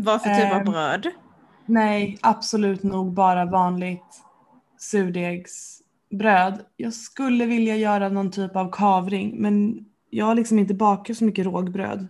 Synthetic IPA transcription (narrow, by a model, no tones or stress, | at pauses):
vafətʰyːpabɾøːd̪ | nɛjʔab̥sɔlʉ̟ːt̪nuːɡ̚bɑːɾavɑːnlɪt̪ | sʉ̟ːɖ̪eɡs | bɾøːd̪jɑːɡskɵlːəvɪljajœːɾanɔnt̪ʰyːpavkʰɑːvɾɪŋmɛn | jɑːɡhalɪksɔmɪnt̪̬əbɑːkasɔmʏkːəɾoːɡbɾø̰ːd̪